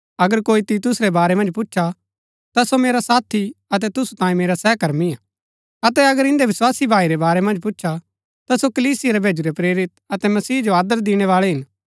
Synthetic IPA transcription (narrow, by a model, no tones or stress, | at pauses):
ɐɡəɾkoːit̪iːt̪ʊsɾɛbaːɾɛmɐ̃nd͡ʒpʊtːʃʰa | t̪asomeːɾasaːt̪ʰiɐt̪̬ɛt̪ʊsu̥t̪ãːĩmeːɾasɛːkɐɾmia | ɐt̪ɛɐɡəɾɪ̃nd̪eʋɪswaːsibʱaːiɾebaːɾɛmɐ̃nd͡ʒpʊtːʃʰa | t̪asokɐliːsɪjeɾɛbʱeːd͡ʒuɾepɾeːɾɪt̪̚ɐt̪ɛmɐsiːd͡ʒoaːd̪əɾd̪ɪɽ̃ɛʋaːɭɛɦɪn